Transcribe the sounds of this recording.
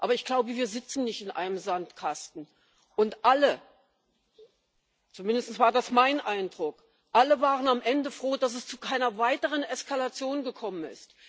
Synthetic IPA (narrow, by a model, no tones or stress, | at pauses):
ʔaːbɐɪçɡ̥laʊbəviːɐzɪt͡sn̩nɪçtɪnʔa̰ɪnəmzantkʰastn̩ | ʔʊntʔalə | t͡sumɪndəstn̩sv̥aːɐdasmaɪnʔaɪndʁʊk | ʔaləvaːʁənamʔɛndəfʁ̥oːdas̬ɛst͡sukʰaɪnɐvaɪtəʁ̞ənɛskalat͡sjoːnɡəkʰɔmənɪ̰st